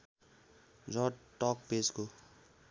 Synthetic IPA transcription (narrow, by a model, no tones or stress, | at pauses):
d͡zɔʈɔk̚pesko